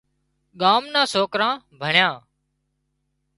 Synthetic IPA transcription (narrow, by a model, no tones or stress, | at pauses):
ɠaːmnãːsoːkɾãː | bʱəɳjãː